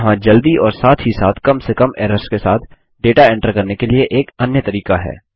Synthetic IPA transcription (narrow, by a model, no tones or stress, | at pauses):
ɦãd͡ʒɐld̪iɔːɾsaːt̪ʰɦisaːt̪ʰkɐmsekɐmɛːɾəskesa̰ːt̪ʰ | ɖeːʈaɛ̃ːɳʈəɾkɐɾnekelieʔeːkɐnjət̪ɐɾiːkaɦɛ̰ː